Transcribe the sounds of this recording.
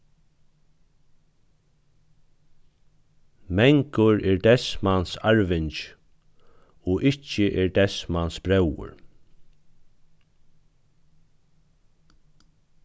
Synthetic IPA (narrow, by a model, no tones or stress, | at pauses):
mɛŋkəɹɛɹd̪ɛsmansaɹʋɪɲt͡ʃ | ɔʔɪt͡ʃəʔɛɹd̪ɛsmansb̥ɾɛwə̰ɹ